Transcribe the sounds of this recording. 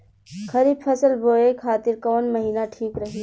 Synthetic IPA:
kʰɐɾiːbpʰɐsəlboːekʰaːt̪ɪɾkɔːnmɐɦiːnaʈʰiːkɾɐɦi

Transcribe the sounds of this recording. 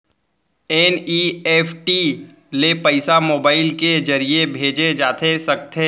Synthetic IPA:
eːnieːpʰʈi | lepəɪsamoːbaːɪlked͡ʒɐɾiebʱeːd͡ʒed͡ʒaːt̪ʰesɐk̚t̪e

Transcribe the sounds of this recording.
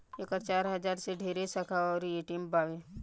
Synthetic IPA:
ekəɾt͡ʃaːɾɦɐzaːɾseɖʱeːɾesɐkʰaɔːɾjeʈiːmbaːʋe

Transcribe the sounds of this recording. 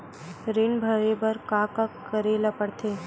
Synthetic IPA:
ɾenbʱəɾebəɾkaːkakːəɾeːlapəɽt̪ʰeː

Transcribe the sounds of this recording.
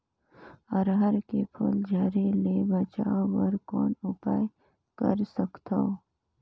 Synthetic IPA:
əɾɦəɾkepʰuːld͡ʒaːɾelebət͡ʃaːʋəɾkɔːnʊpaːj | kəɾsəkt̪oː

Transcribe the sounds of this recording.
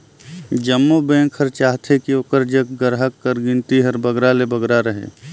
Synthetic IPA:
d͡ʒəmːobẽːkʰəɾt͡ʃaːɦt̪ʰekioːkəɾd͡ʒəkɡəɾɦəkːəɾɡɪ̃nt̪iɦəɾbəɡɾalebəɡɾaɾəɦḛː

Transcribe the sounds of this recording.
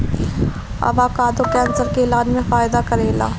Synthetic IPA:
ɐ̰baːkaːd̪okɛ̃ːnsəlkeːlaːnmẽfaːjd̪akɐɾeːla̰ː

